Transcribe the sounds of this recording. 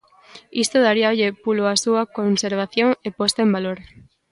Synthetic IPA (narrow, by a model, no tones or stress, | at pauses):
ist̪oðaɾiaoʎepuloasuakonseɾβaθjoŋepost̪aẽmbaloɾ